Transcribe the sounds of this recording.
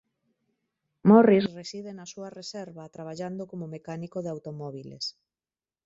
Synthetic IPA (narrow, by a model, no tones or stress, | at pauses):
mɔrisresið̞enasuaresɛɾβat̪ɾaβ̞aʎand̪okomomekanikoðeawt̪omɔβ̞ilḛs